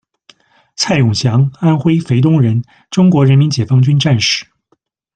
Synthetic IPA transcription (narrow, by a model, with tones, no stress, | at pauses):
t͡sʰa˥˩ɪjʊ˨˩ŋɕjɑ˧˥ŋa˥nxwe˥ɪfe˧˥ɪt̪ʊ˥ŋɻə˧˥n | ʈ͡ʂʊ˥ŋkwɔ˧˥ɻə˧˥nmi˧˥nt͡ɕjɛ˨˩fɑ˥ŋt͡ɕy˥nʈ͡ʂa˥˧nʂɻ̩˥˩